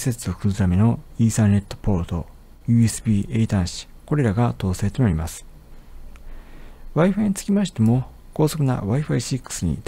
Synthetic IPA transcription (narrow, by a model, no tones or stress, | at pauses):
se̞t͡sɨokɯ̟ɨt̪ame̞no̞iːsaːne̞t̪ːo̞̥po̞ɾot̪o̞ | jɯ̟ːesɨ̥bʲiːʔe̞ːt̪ãɰ̃ɕi̥ | ko̞ɾe̞ɾaɡat̪o̞ːse̞ːt̪onaɾʲimasɨ̥ | βaiɸẽnt͡sɨ̥kʲimaɕi̥t̪e̞mo̞ | ko̞ːso̞kɯ̟na̰βaiɸaisikːɯ̥sɨɲ̟ḭt̪